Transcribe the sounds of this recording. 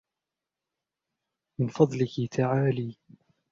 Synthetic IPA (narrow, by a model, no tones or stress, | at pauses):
mɪnfɑd̪ˤlɪkɪt̪ʰaʕaːliː